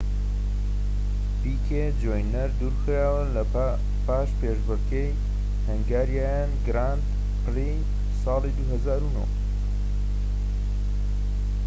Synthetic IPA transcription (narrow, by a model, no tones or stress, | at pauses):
bikʰe | d͡ʒojnɐɾd̪uːɾxɾaːwɐlɐ | paːʃpeːʒbɐkʰej | hɐŋɡaːɾjaːjanɡɾant̪ | pʰli | sɑːlˠid̪uɦɐzaːɾuno̰ː